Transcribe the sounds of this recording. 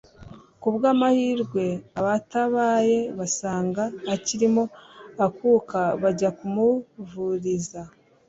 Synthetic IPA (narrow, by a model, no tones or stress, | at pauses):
kubɡaːmahiːɾɡwe̞aβataβaːje̞βasaːŋɡaːciɾimo̞akuːkaβaɟakumuvuɾiza